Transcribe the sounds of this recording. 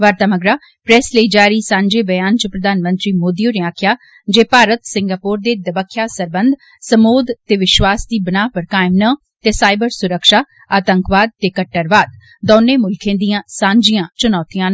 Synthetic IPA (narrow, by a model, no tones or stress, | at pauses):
ʋaːɾt̪aːməɡɾaː | pɾɛːsləiːd͡ʒaːɾiːsãːɲd͡ʒeːbəjaːnt͡ʃəpɾəd̪aːnmə̃nt̪ɾiːmoːd̪ijõːneaːkʰjaː | d͡ʒeːpaːɾət̪sɪ̃ŋɡaːpoːɾd̪eːd̪əbəkʰːjaːsəɾbənd̪ | səmoːd̪t̪eːʋɪʃʋaːsd̪iːbənaːpəɾkaːɪmnaː | t̪eːsaːɪbəɾsʊɾəkʃaː | aːt̪əŋkʋaːd̪̚t̪eːkəʈːəɾʋaːd̪̚ | d̪ɔːneːmʊlkʰẽːd̪ijãːsãːɲd͡ʒijãːt͡ʃʊnɔːt̪ijãːn